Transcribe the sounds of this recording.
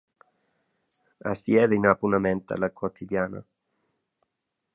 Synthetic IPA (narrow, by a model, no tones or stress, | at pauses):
a̰sjɛːðeinapunamɛnt̪a̰lakwot̪ʰid̪jaːna̰